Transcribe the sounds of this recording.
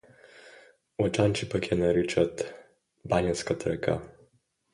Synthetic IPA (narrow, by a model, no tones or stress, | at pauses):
ɔt͡ʃant͡ʃipakjɛnaɾit͡ʃat̪ | banjanskat̪ɾɛka̰